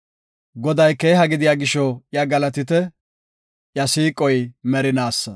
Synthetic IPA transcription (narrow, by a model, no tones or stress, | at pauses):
ɡɔd̪ɐjke̞ːɦɐɡɪd̪ɪjaːɡɪʃɔjɐɡɐlɐt̪ɪt̪̬ɛ | jɐsiːkʼɔjmɛɾɪnaːsːɐ